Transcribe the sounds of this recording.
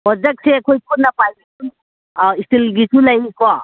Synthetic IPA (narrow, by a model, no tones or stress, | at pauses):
ɔzak̚seakʰojpʰuɾnapajbikun | istʰilɡisulajikʰɔ